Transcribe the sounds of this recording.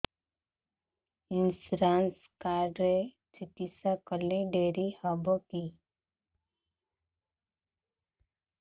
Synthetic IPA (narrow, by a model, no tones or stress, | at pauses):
ɪnsɾaːns | kaːɾɾe | siʈisakəleɖeːɾihabəki